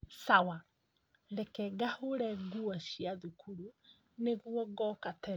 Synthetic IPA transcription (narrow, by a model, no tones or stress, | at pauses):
sawa | ɾɛkɛɡahoɾɛɣuɔɕiaðukʰuɾu | neɣwɔɡɔːkatɛɾ